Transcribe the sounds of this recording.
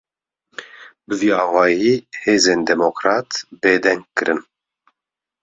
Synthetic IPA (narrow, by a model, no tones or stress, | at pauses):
bɨviːɑːwɑːjiːheːzeːnd̪ɛmokɾɑːt̪beːd̪ɛŋkkːɨɾɨn